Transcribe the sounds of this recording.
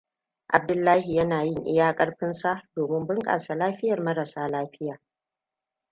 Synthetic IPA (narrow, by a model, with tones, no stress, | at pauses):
ʔa˨b̚dʊ˦lːaː˦hi˨jɐ˦naː˨jɪ˦ŋʔɪ̰˦jaː˦kʼɐ˦ɽɸɪ˦nsa˦doː˨mɪ˦mbɪ˦ŋkʼa̰ː˨sa˨laː˦ɸɪ˦jɐ˨rmɐ˦ɾɐ˨saː˦laː˦ɸɪ˦jaː˨